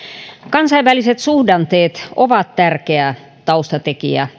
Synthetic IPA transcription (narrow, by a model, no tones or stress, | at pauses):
kɑnsɑiʋʋæliset̪suhdɑnt̪eːt̪oʋɑt̪t̪ærkeæˑ | t̪ɑust̪ɑt̪ekḭæ̰